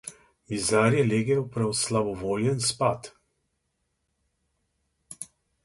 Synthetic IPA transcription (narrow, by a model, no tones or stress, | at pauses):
mizaːɾjɛleːɡɛwpɾɛɔslabɔʋoːljɛnspaːt̪